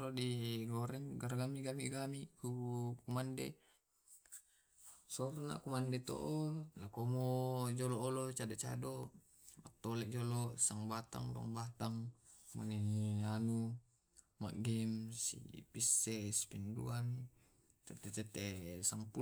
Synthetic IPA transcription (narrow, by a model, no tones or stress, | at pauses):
ɾodiɡoɾɛŋɡaɾɡamiɡamiɡamiʔkukumande | sɔrna̰kumandet̪o̰ʔolakomod͡ʒɔlɔːlot͡ʃadot͡ʃa̰do | mat̪ːolɛʔd͡ʒolosaŋbat̪a̰ŋda̰ŋbat̪aŋma̰neanu | ma̰ʔɡɛmsḭpisːɛspindṵan | t̪ɛt̪ɛt̪ɛt̪ɛsaŋpu